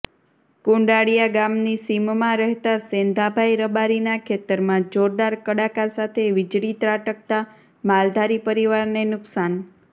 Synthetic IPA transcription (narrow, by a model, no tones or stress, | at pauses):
kuɳɖaɽijaɡamnisimmãɾɛɦt̪asend̪ʱabʱaiɾəbaɾinakʰet̪əɾmãd͡ʒoɾd̪aɾkəɽakasat̪ʰeʋɪd͡ʒɽit̪ɾaʈək̚t̪a | mald̪ʱaɾipəɾiʋaɾnenʊksan